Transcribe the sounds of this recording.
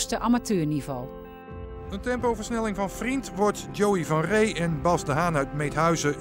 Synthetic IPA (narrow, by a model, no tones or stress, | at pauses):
stəʔamatøːɹnivɔ̰lˠ | əntɛmpowvəɹsnɛlɪŋvɑnvrintʋɔɹtd͡ʒowivɑnrejɛnbɑsdəɦaːnœɥtmejtɦœɥzə